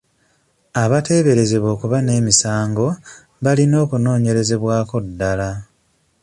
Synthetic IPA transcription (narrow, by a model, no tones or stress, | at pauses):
aβate̞βe̞ɾe̞ze̞βo̞ːkuβane̞ːmisaːŋɡo̞ | βalino̞ːkuno̞ːɲe̞ɾe̞ze̞βwaːko̞dːala